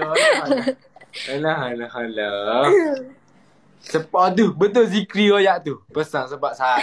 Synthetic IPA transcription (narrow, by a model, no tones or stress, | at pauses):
əlahalahalə | səpɔt̪̬ubət̪̬ʊls̬ikɾiojaʔt̪upəsaŋsəbaʔ̚sa